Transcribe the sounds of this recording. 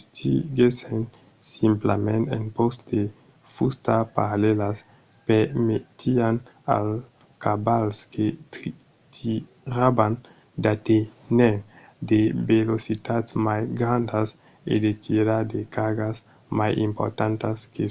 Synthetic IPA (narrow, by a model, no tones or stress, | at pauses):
st̪ʰiɡesen | simplamẽnt̪ḛnpostd̪e | fust̪apaɾalelas | peɾmet̪ian | a̰l | kabalskʰet̪ | t̪i | ɾaban | d̪at̪ene | d̪ebelosit̪at̪majɡɾãnd̪as | ḛd̪et̪ʰiɾaɾd̪ekaɡas | majḭmpo̰ɾt̪ãnt̪aske